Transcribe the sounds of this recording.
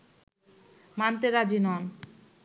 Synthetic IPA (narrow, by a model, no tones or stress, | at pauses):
mant̪eɾad͡ʑinɔn